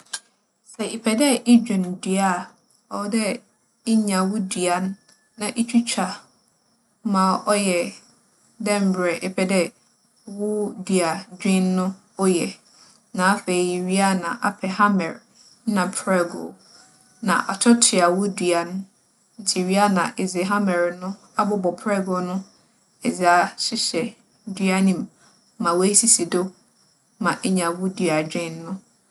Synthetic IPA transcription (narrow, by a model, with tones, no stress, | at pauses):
sɛ˨ʔɪ˨pʰɛ˨dɛ˦ʔɪ˦d͡ʑᶣɪ̃˨ndi˨a˦˨ | ɔ˨˦dɛ˦ | ɪ˦ɲã˨wʊ˦dɥa˨nː | ã˨ʔe˦t͡ɕʰᶣu˦t͡ɕʰᶣa˨ | mãː˨ʔɔ˦jɛ˨ | dɛ̃˦m̩˨bɾɛ˨ʔɪ˨pʰɛ˨dɛ˦ | wʊ˦di˨a˨d͡ʑᶣɪ̃˦nː˦ʊ̃˦ | ʊ˦jɛ˨ | nã˨a˦fe˨i˨ji˨ɥi˦a˦nã˨ʔa˨pʰɛ˨hã˦mɛ̰˨ɾ | nã˨pʰɾɛ˦ɡo̰˨ | nã̰˨ʔa̰˨tʰɔ˦tʰɪ˨a˨wʊ˦dɥa˨nʊ̃˦ | n̩˦tʰɪ˨ɥi˦a˦nã̰˨ʔɪ˨zɪ˨ɦã˦mɛ˨ɾnʊ̃˦ | a˦bɔ˦bɔ˨pʰɾɛ˦ɡo˨nʊ̃˦ | ɛ˨d͡zɪ˨a˦ɕɪ˦ɕɛ˨ | dɥa˦nĩ˦˨m | mã˨wɔ˨˦e˦si˦si˨do˦ | mã˨ʔɛ˦ɲã˨wʊ˦dɥa˨d͡ʑᶣɪ̃˦nːʊ̃˦